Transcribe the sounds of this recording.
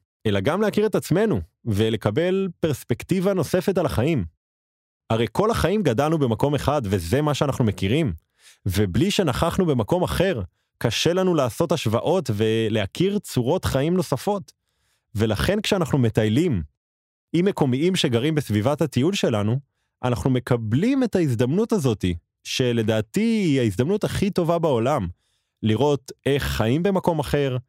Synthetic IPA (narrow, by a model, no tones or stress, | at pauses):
ʔe̞laɡamlehakiʁe̞tat͡sme̞nuvele̞kabe̞lpeʁspe̞ktivano̞se̞fe̞talaχaim | aʁe̞jkʰo̞lhaχaimɡadalnube̞mako̞me̞χadve̞ze̞maʃeanaχnumekiʁim | vebliʃe̞naχaχnube̞mako̞maχe̞ʁ | kaʃe̞lanulaːso̞thaʃva̰ʔo̞tve̞leakʰiʁt͡suʁo̞tχaimno̞safo̞t | ve̞laχe̞nkʃeanaχnume̞tajlim | imeko̞miimʃe̞ɡaʁimbesvivatatijulʃe̞lanu | ʔa̰naχnume̞kʰablime̞taizd̪amnutazo̞ti | ʃe̞le̞daːtiihaizd̪amnutaχito̞vabao̞lam | liʁo̞te̞χːaimbe̞mako̞maχe̞ʁ